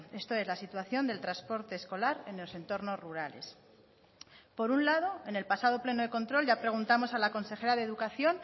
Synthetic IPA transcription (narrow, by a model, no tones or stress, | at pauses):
e̞st̪o̞e̞zlasit̪waθjo̞nd̪e̞lt̪ɾaspo̞ɾt̪e̞ːsko̞laɾe̞nlose̞nt̪o̞ɾno̞zruɾale̞̰s | po̞ɾunlað̞o̞e̞ne̞lpasað̞o̞ple̞no̞ð̞e̞ko̞nt̪ɾo̞lʝapɾe̞ɣ̞unt̪amo̞salako̞nse̞xe̞ɾaðeːðukaθjo̞n